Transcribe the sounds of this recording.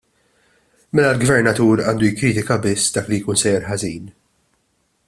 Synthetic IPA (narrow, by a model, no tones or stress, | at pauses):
mɛlɐlɡvɛɾnɐt̪uːɾɐːnd̪ujɪkːɾiːt̪ɪkɐbɪsːd̪ɐːklijkuːnsɛːjɛɾħɐziːn